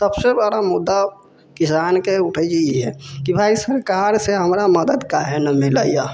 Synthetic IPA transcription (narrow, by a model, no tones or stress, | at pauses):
t̪əbsebəɾamud̪ːa | kisankeuʈʰət͡ʃiiɦɛ̰kibʱaisəɾkaɾseɦəmɾaməd̪əd̪kaɦenəmilə̰ja